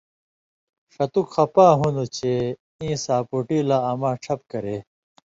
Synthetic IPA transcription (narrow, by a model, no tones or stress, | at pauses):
ʂɐt̪ukxɐpaːɦunut͡ɕʰe | ĩːsaːpuʈiːlaːɐmãːʈ͡ʂʰɐp̚kɐɾe